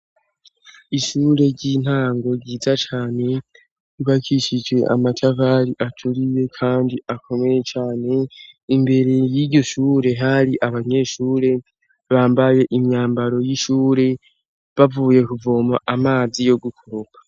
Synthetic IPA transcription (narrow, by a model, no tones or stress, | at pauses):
iʃuːɾe̞ɾɟiːn̥haːŋɡo̞ɟiːzat͡ʃaːne̞ | iβakʰiʃid͡ʒɡwe̞ʔa̰matʰavaɾiʔatʰuɾije̞kʰaːndiʔakʰo̞me̞je̞t͡ʃaːne̞imbe̞ɾe̞jiɾɟo̞ʃuːɾe̞ɦaɾiʔaβaɲe̞ːʃuːɾe̞ | βaːmbaje̞ʔimɲaːmbaɾo̞jiʃuːɾe̞ | βavuːje̞kuvo̞ːmaʔamaːzijo̞ɡukʰoɾokḁ